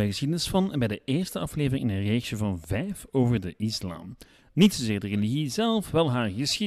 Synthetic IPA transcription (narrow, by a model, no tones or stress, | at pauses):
ɛjɣəsxidənɪsfɑnbɛjdəɪːɹstəɑfleːvərɪŋɪnəreːʒəvɑnvɛjfoːvərdəʔɪsla̰ːm | nitsoːzeːɹdəreliɣizɛlˠfʋɛlˠɦaːrɣəsxi